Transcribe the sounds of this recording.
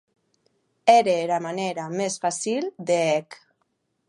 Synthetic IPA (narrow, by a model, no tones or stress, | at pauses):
eɾeɾamaneɾamesfasild̪eɛk